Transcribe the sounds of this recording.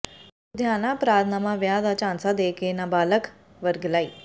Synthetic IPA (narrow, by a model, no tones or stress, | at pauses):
ʊd̪ʱjaːnãːpɾaːt̪ʰnaːmãːʋjaːd̪at͡ʃãːnsad̪eːkeːnãːbaːlək | ʋəɾɡəlaːiː